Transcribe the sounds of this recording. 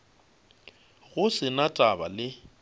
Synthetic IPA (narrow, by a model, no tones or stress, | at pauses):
ɣʊsɪnatʼaba̰lɪ